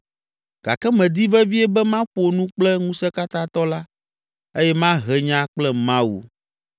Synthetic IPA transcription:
ɡ̥a̰˨kɛ˦mɛ̃˨d̪i˦vɛ˦vi˦ɛ˦bɛ˦mã˦ɸo˨nũ˦k͡plɛ˦ŋũ˦sɛ˦ka˦t̪ã˦t̪ɔ˦la˦ | e˦jɛ˦mã˦ɦɛ˨ɲã˦k͡plɛ˦mã˦wṵ˨

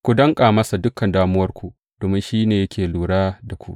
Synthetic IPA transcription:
kʷu˨dɐ˦ŋkʼaː˨mɐ˦sa˨dʊ˦kːɐ˨ndaː˦mʊ˦wɐ˦rkʷu˨ | d̥oː˨mɪ˦nʃiː˦neː˨jɐ˦kʲʰeː˨luː˨ɽaː˦da˨kʷṵ˦ʔ

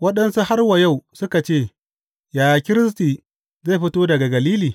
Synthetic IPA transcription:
wɐ˦ɗɐ˦nsu˦ha˦rwɐ˨ja˦˨wsʊ˦ka˨t͡ʃeː˦˨ | jaː˨ja˨kʲɪ˦ɾɪ˦s̬tiː˨ | za˦˨ɸɪ˦toː˦dɐ˨ɡa˨ɡɐ˨liː˦liː˨

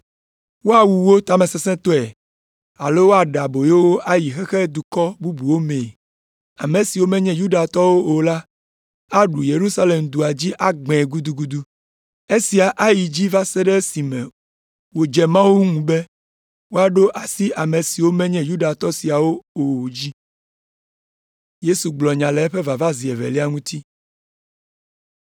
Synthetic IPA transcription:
wo˦a˨wu˨wo˦t̪a˦mɛ̃˨sɛ˦sɛ̃˦t̪o˦ɛ˨ | a˨lo˦wo˦a˨ɖa˨bo˨je˦wo˦ʔa˦ji˨xɛ˦xɛ˦d̪u˨kɔ˦bu˦bu˨wo˦mẽ˨ | a̰˨me˨si˨wo˦mɛ̃˦ɲɛ̃˦ju˦ɖa˨t̪ɔ˦wo˦o˨la˦ | a˦ɖu˨je˨ɾu˦sa˦le˨md̪u˨a˨d͡ʑi˦ʔa˦ɡ͡bɛ̃˨ɡu˦d̪u˦ɡu˦d̪u˦ | e˦si˨a˨ʔa˦ji˨d͡ʑi˦va˦sɛ˦ɖɛ˦si˨mɛ̃˨ | wo˨d͡ʒɛ˨mã˦wu˦ŋũ˨bɛ˦ | wo˦a˨ɖo˦ʔa˨si˦a˨mẽ˨si˨wo˦mɛ̃˦ɲɛ̃˦ju˦ɖa˨t̪ɔ˦si˨a˨wo˦o˨d͡ʑi˦ | je˦su˨ɡ͡blɔ˨ɲã˨lɛ˨˦ɛ˦ɸe˦va˨va˦zi˨ɛ˨vɛ̰˨li˦a˦ŋũ˦t̪i˦

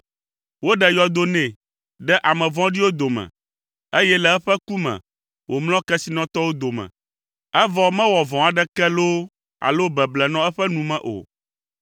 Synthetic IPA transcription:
wo˦ɖɛ˨jɔ˨d̪o˦nɛ̃˨ | ɖɛ˦ʔa˨mɛ̃˨vɔ̃˦ɖi˦wo˦d̪o˨mɛ̰̃˨ | e˦jɛ˦lɛ˨ɛ˦ɸɛ˦ku˦mɛ̰̃˨ | wʔo˨ml̃ɔ̃˦kɛ˦si˨nɔ̃˦t̪ɔ˦wo˦d̪o˨mɛ̰̃˨ | ɛ˦vɔ˨mɛ̃˦wɔ˨vɔ̃˨a˨ɖɛ˦kɛ˦lo˦ | a̰˨lo˦bɛ˨blɛ˨nɔ̃˦ɛ˦ɸɛ˦nũ˨mɛ̃˨ʔo̰˨

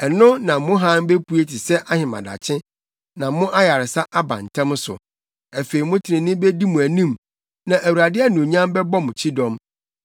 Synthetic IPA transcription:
ɛ˨nʊ̃˦nã˨mʊ̃˦ɦã˦m˦be˦pʰu˦e˦tʰɪ˨sɛ˦ʔa˦hɪ̃˨mã̰˨da̰˨t͡ɕʰɪ̃˦ | nã˨˦mʊ̃˦ʔa˦ja˨ɾɪ˨sa˦ʔa˦bã̰˨n˨tʰã˦m˦sʊ̰˨ | æ˨fe˨i˨mʊ̃˦tʰɪ˨ɾɪ̃˨nɪ̃˦be˦di˦mũ˨æ˨nĩ˦m | nã˨ʔæ˨wu˨ɾa˨dɪ˦ɛ˦nũ˨ɲã˦m˦bɛ˦bɔ˦m˨t͡ɕʰi˦dɔ̃˦m

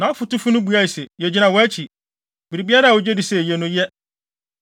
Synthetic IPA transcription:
nã˨ɔ˦fʊ˨tʊ˦fu˦nʊ̃˦bu˨a˦i˨sɛ˨jɛ˨d͡ʑi˦nã˨wɔ˨æ˦t͡ɕʰi˨ | bi˨ɾi˨bi˦a˦ɾa˦a˨wo˨d͡ʑɛ˦dɪ˨sɛ˨jɛ˨nʊ̃˦jɛ˦

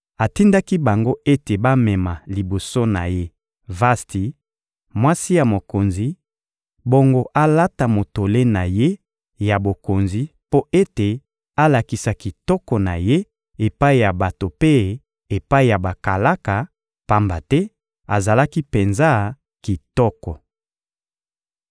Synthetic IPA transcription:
a˨ti˦nda˦ki˦ba˨ŋɡo˦e˦te˨ba˦mɛ˨ma˨li˨bo˨so˦na˨je˦ | va˦sti˨ | mwa˦si˦ja˨mo˨ko˨nzi˨ | bo˦ŋɡo˦ʔa˦la˦ta˨mo˨to˨le˦na˨je˦ | ja˨bo˨ko˨nzi˨po˦e˦te˨ | a˦la˨ki˨sa˨ki˨tɔ˦kɔ˨na̰˨je˦ | e˨pa˦i˨ja˨ba˨to˨pe˦ | e˨pa˦i˦˨ja˨ba˨ka˨la˦ka˨ | pa˦mba˨tɛ˦ | a˨za˨la˦ki˦pe˨nza˦ | ki˨tɔ˦kɔ˨

